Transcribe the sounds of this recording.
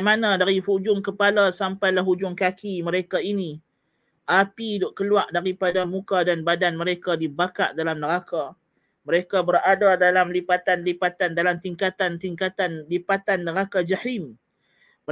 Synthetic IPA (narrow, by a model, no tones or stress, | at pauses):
mãnãdaɾihud͡ʒʊŋkəpalasampajlaɦud͡ʒʊŋkakimə̃ɾekaini | ʔapidoʔkəluaʔdaɾipadamũkadanbadanməɾekadibakaʔdalamnəɾaka | mə̃ɾekabəɾadadalamlipat̪anlipat̪andalamt̪iŋkat̪ant̪iŋkat̪anlipat̪anːəɾakad͡ʒahim